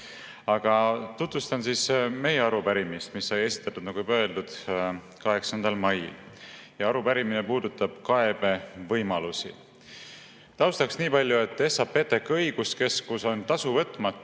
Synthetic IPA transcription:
ɑɡ̥ɑt̪ut̪vust̪ɑnsisme̞jeɑɾupæɾimist̪misːɑje̞si̥t̪ːˑɑt̪ːˑud̪nɑkujpøe̞ld̪ud̪̥ | kɑɦe̞ksɑnd̪̥ɑlmɑjḭl | jɑɑɾupæɾiminepuːd̪̥ut̪ːˑɑb̥kɑe̞b̥e̞vɤjmɑlusḭ | t̪ɑwst̪ɑksniːpɑlʲjue̞t̪ːˑe̞sɑpe̞t̪ːe̞kːɤjɡ̥uske̞skuso̞nt̪ɑsuvɤt̪ːˑmɑt̪ː

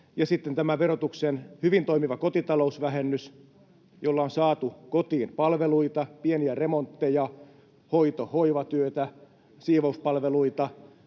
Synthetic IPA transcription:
jɑsit̪ːent̪æmæʋerot̪uksenhyʋint̪oimiʋɑkot̪it̪ɑlousʋæɦenːys | jolːɑonsɑːt̪ukot̪iːnpɑlʋeluit̪ɑpieniæremont̪ːejɑ | hoit̪ohoiʋɑt̪yøt̪æ | siːʋouspɑlʋeluit̪ɑ

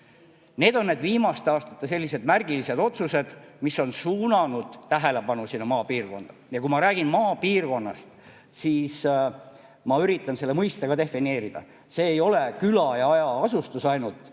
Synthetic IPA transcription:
ne̞ːd̪o̞nːeːd̪viːmɑst̪eɑːst̪ɑ̥t̪ːˑese̞lʲːise̞d̪mærɡ̥ilise̞d̪̥o̞t̪suse̞d̪̥misːo̞nsuːnɑnud̪̥t̪æɦe̞le̞pɑnusinːɑmɑːpiːrko̞̰nd̪̥ɑjɑkumɑɾæːɡ̥inmɑːpiːrko̞nːɑst̪ | siːs | mɑyɾit̪ːˑɑnse̞lːe̞mɤjst̪eɡ̥ɑd̪e̞fːine̞ːɾid̪̥ɑ̰ | se̞ːjo̞le̞kylɑjɑɑjɑɑsust̪usɑjnult̪ˑ

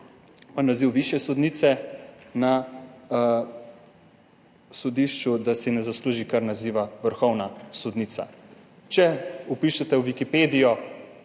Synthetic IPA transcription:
ɔnːaziwʋiʃjɛsɔd̪niːt̪sɛna | sɔd̪iʃt͡ʃud̪asɛnɛzasluːʒikaɾnaziːʋaʋəɾxɔwnasɔd̪nit̪sa̰ | t͡ʃɛupiʃɛt̪ɛwʋikipeːd̪ijɔ

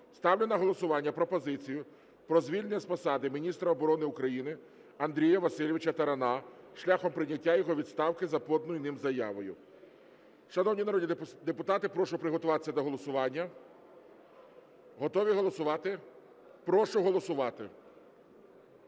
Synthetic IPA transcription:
st̪ɑwlʲɪnɐɦɔlˠɔsʊʋɑnʲːɐpɾɔpɔzɪt͡sʲijʊ | pɾɔzʋʲilʲenʲɛɐspɐsɑd̪ɪmʲinʲist̪ɾɐɔbɔɾɔnɪʊkɾɐjinɪ | ɐnd̪ɾʲijɐʋɐsɪlʲiʋɪt͡ʃɐt̪ɐɾɐnɑʃlʲaxɔmpɾɪnʲːɐtʲːajɔɦɔʋʲid̪st̪ɑwkɪzɐpɔd̪nʊjinɪmzɐjɑ̰ʋɔjʊ | ʃɐnɔwnʲinɐɾɔd̪ʲid̪epʊt̪ɑt̪ɪpɾɔʃʊpɾɪɦɔt̪ʊʋɑt̪ɪ̥sʲɐd̪ɔɦɔlˠɔsʊʋɑnʲːɐ | ɦɔt̪ɔʋʲiɦɔlˠɔsʊʋɑt̪ɪ | pɾɔʃʊɦɔlˠɔsʊʋɑt̪ɪ

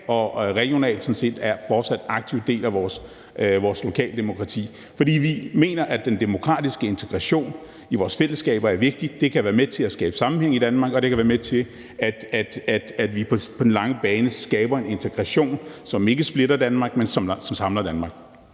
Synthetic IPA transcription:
ɒ̽ʁɛɡ̥jo̝nɛ̰ːld̥sɒ̽n̩se̝̰ːd̥æɐfɒːd̥sæd̥ɑ̈ɡ̥̚t͡sʰiʊd̥e̝̰ːlæʋɒːs | ʋɒːslo̝kʰɛ̰ːld̥e̝mo̝kʰʁɑ̈t͡sʰḭː | fɒd̥ḭːʋime̝̰ːnɐʔæd̥end̥e̝mo̝kʰʁɑ̰̈ːd̥isɡ̥əe̝nt͡sʰeɡ̥ʁɑɕo̝̰ːn | iʋɒːsfel̰əsɡ̥ɛ̰ːb̥ɐæɐʋe̝ɡ̥̚d̥i̥d̥e̝kʰæʋæːɐmet͡sʰe̝læsɡ̥ɛːb̥ə̥sɑ̈mm̩heŋ̰id̥ænmɑ̈ɡ̥ɒ̽d̥e̝kʰæʋæːɐmet͡sʰe̝ | æd̥æd̥æd̥æd̥ʋipʰɒ̽pʰɒ̽d̥n̩lɑ̈ŋəb̥ɛːnəsɡ̥ɛːb̥ɐe̝ne̝nt͡sʰeɡ̥ʁɑɕo̝̰ːnsɒ̽me̝ɡ̥əsb̥le̝dɐd̥ænmɑ̈ɡ̥̚mensɒ̽msɒ̽msɑ̈mlɐd̥ænmɑ̈ɡ̥

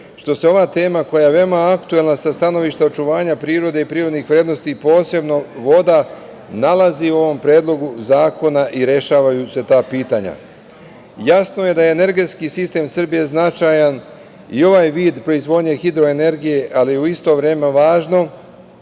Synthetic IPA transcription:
ʃt̪o̞seo̞ʋat̪e̞ːmako̞jajeʋe̞omaakt̪ue̞lnasast̪ano̞ʋiʃt̪ao̞t͡ʃuʋaːɲapɾiːɾo̞d̪eipɾiːɾod̪nixʋɾe̞ːd̪no̞st̪ipo̞ːse̞bno̞ʋo̞d̪a | nalaziuo̞ʋo̞mpɾeːd̪lˠo̞ɡuzaːko̞naʔiɾe̞ʃaːʋajuse̞t̪aːpiːt̪aɲa̰ | jasno̞je̞d̪ajeːne̞ɾɡe̞t̪skisist̪e̞ːmsr̩bije̞znat͡ʃajan | io̞ʋaːjʋiːd̪pɾo̞izʋo̞d̪ɲe̞xid̪ɾo̞e̞ne̞ɾɡije̞ʔalijeuist̪o̞ʋɾe̞ːmeʋaːʒno̞

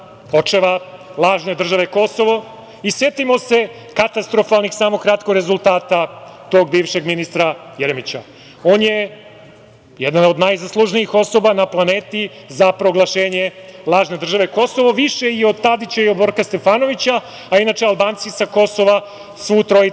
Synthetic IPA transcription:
po̞t͡ʂeʋalˠaːʒne̞d̪r̩ʒaʋe̞ko̞so̞ʋo̞ | isjet̪imo̞se̞ | kat̪ast̪ɾo̞falˠnixsaːmokɾat̪koɡɾe̞zulˠt̪aːt̪at̪o̞ːɡ̚biːʋʃe̞ɡminist̪ɾajeɾemit͡ɕa | o̞ːnje̞ | jed̪anod̪najzaslˠuʒniixo̞so̞banaplˠaneːt̪i | zapɾo̞ɡlˠaʃe̞ːɲe̞lˠaːʒne̞d̪r̩ʒaʋe̞ko̞so̞ʋo̞ʋiʃe̞io̞d̪̚t̪ad̪it͡ɕaiod̪bo̞ɾkast̪e̞faːno̞ʋit͡ɕa | ainaːt͡ʃealˠbaːnt̪sisako̞so̞ʋa | sʋuːt̪ɾoi

